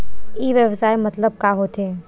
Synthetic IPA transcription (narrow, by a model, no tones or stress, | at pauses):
iːʋjəʋsaːemɐt̪ləb̚kaːɦoːt̪ʰeː